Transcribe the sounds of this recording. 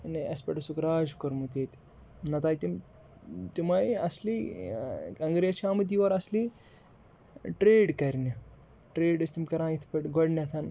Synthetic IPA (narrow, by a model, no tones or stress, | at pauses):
neɐspɐʈɐsukɾaːd͡ʒkɐɾmut̪eːt̪ | nɐt̪aːjt̪im | t̪imajɐsli | kɐŋɡɾet͡ʃʰaːmɨt̪̬iʋɐɾɐsli | ʈɾeːɖkɐɾni | ʈɾeːɖɐst̪imkɐɾãːit̪ʰpɐʈɡɔɽnʲɐt̪ʰɐn